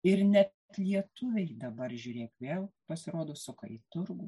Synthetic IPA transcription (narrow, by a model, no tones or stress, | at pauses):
ɪɾnʲɛt | t̪lʲiɛt̪ʊʋʲɛɪd̪ɐbɐɾʒʲuːɾʲeːkʋʲeːlˠpɐsʲɪɾoːd̪oːsʊkɐ̰ɪt̪ʊɾɡu